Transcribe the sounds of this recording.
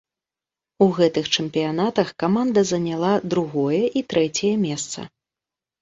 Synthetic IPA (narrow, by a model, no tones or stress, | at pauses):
uɣɛt̪ɨxt͡ʂɛmpʲijanat̪ɐxkamand̪ɐzɐnʲalˠad̪ɾuɣɔjɛʔit̪ɾɛt͡sʲɛjɐmʲɛst̪sɐ̰